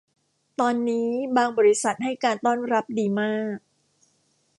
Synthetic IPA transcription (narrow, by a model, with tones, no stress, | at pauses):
t̪ɔː˧nːiː˦˥baː˧ŋbɔː˧ɾi˦˥sa˨˩t̪̚ha˥˩jkaː˧nt̪ɔː˥˩nɾa˦˥p̚diː˧maː˥˩k̚